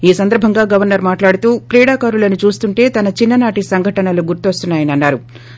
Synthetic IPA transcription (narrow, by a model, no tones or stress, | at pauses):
iːsɐnd̪ɐɾbʱɐŋɡaːɡɐʋɐɾnɐɾmaːʈlaːɽut̪uːkɾiːɽaːkaːɾulɐnut͡ʃuːst̪uɳʈe̞ːt̪ɐnɐt͡ʃinːɐnaːʈisɐŋɡʱɐʈɐnɐluɡuɾt̪uʋɐst̪unːaːjɐniɐnːaːɾu